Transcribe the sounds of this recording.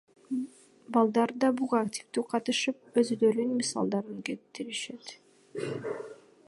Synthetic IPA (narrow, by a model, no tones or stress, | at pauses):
bɑlˠd̪ɑɾd̪ɑbuʁɑaktʲi̥ft̪yːqʰɑt̪ɯʃɯp̚øzyløɾynmisɑ̰lˠd̪ɑɾɯŋket̪ːiɾiʃe̞t̪